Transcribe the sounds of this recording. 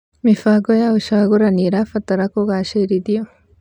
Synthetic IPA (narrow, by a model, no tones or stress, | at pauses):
mifaːɡojauʃaɣuɾaniɾafat̪aɾakoɣaːʃeɾiðijo